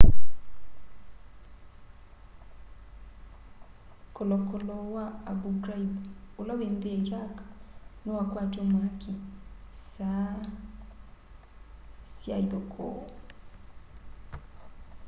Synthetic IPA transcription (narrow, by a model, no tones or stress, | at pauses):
kɔlɔkɔlɔwaabuɡɾaibolawend̪eiɾaknɔwakwad͡ʒɔmwakisa | sjaid̪ɔkʰɔ̰